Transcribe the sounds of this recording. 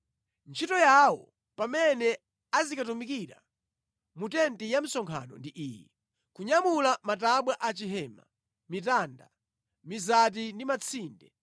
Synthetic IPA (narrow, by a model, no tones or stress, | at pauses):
nt͡ʃʰitɔjawɔ̰ | pamɛnɛ | azikatumikiɾa̰ | mutɛntijam̩sɔŋkʰa̰nɔ̰ndiʔiːjɛ | kuɲamulamat̬aɓwaʔat͡ʃiɦɛːma̰ | mitaːnda̰ | mizat̬indimat͡sʰiːndɛ